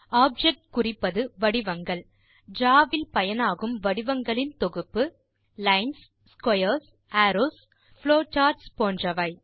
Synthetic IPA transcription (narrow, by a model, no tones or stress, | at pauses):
aːb̚d͡ʒɛk̚ʈkʊrɪpːɐðɯʋɐɽɪʋɐŋɡɐɭ | d͡ʒaːʋɪlpɐjɐnaːɣɯmʋɐɽɪʋɐŋɡɐɭɪnt̪ɔɣɯpːɯ | lɐɪns | skwɐjɐs | ʔaːɾoːs | fɭoːt͡ʃaːɾʈspoːndrɐʋɐɪ